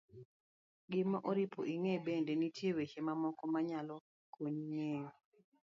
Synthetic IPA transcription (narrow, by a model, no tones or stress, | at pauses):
ɡɪmaʔoɾipʰo̰ʔiŋebendenitjewet͡ʃemamɔkɔmaɲalɔ | koɲŋeŋ